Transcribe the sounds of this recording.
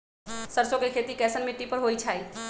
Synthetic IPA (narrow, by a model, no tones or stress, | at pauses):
səɾsõkekʰeːt̪ikɛːsənmɪʈːipəɾɦoːit͡ʃʰaːi